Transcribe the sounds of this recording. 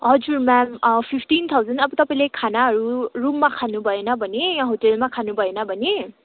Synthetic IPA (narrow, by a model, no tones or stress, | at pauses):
ɔd͡ʒuɹmɛmpʰipʰtint̪ʰawzanaput̪apalɛkʰanaːɹuɹumːakʰanubajɛnabaniɦotɛlmakʰanubajɛnabani